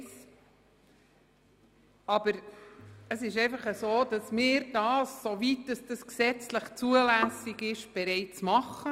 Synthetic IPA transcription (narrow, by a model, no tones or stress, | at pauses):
s | ɑb̥əɾ | əsɪʃɛɪfɑχəzoːd̥ɑsmɪːɾd̥ɑːssovit̚d̥ɑsd̥ɑsksɛt͡sləχt͡suəlæsɪɡɪʃb̥ɛɾɛɪt͡smɑχə